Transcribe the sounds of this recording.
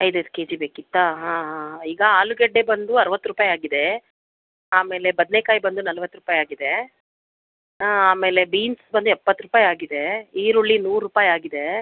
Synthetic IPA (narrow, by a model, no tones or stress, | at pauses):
ɐjd̪ed̪ke̞ːd͡ʒibeːkit̪ːaɦãːɦaiːɡɐaːluɡɛɖːebɐnd̪uɐɾɐʋɐt̪ːɾuːpaːjaːɡid̪e | aːme̞ːle̞bɐd̪nekaːjbɐnd̪unɐlɐʋɐt̪ːɾupaːjaːɡid̪e̞ | ɦaːaːme̞ːle̞biːnsbɐnd̪uɛpːɐt̪ːɾupaːjaːɡid̪e̞iːɾuɭːinuːɾːupaːjaːɡid̪e̞